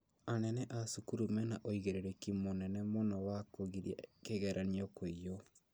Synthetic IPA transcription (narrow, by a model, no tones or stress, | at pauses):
anɛnɛʔasukuɾumɛnaʔoiɣeɾeɾɛkimonɛnɛmonɔwakoɣiɾia̰keɣɛɾʔaniɔkweijo